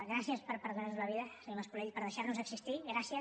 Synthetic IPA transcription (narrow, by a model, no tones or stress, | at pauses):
ɣɾasjəspəɾpəɾðarnuzləβ̞iðəsiməspulɛʎpəɾðəʃaɾnuzəksist̪iɣɾasiə